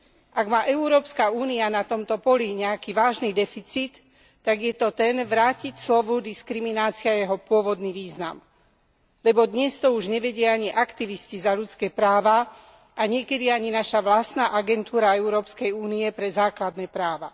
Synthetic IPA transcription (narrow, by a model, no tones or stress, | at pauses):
ʔaɡmaːʔɛuɾɔːpskauːnianat̪ɔmt̪ɔpɔliɲɛakiʋaːʒnid̪ɛfit͡siːt̪ː | aɡjɛt̪ɔt̪ɛnʋɾaːcicslɔʋud̪iskɾiminaːt͡siajɛɦɔpʊɔʋɔd̪niːʋiːzna̰m | lɛbɔd̪ɲɛst̪ɔuʒɲɛʋɛɟɪaaɲiʔakt̪iʋiscizaʎut͡skɛːpɾaːʋa | ʔaɲɪɛkɛd̪iaɲinaʃaʋlast̪naːʔaɡɛnt̪uːɾaɛuɾɔːpskɛjuːniɛpɾɛzaːklad̪nɛːpɾaːʋa